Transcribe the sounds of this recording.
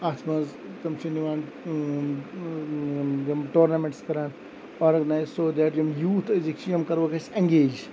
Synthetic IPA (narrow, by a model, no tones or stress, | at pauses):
aːt̪ʰmɐz | t̪ɐmt͡ʃiniʋaːn | d͡ʒɐmʈoːɾnɐmẽɳʈskɐɾaːn | oːɾɡɐnaːjzsoːd̪ɛːʈjɐmjuːt̪ʰɐzikt͡ʃʰjɐmkɐɾʋɐkɐsɐ̃ŋɡeːd͡ʒ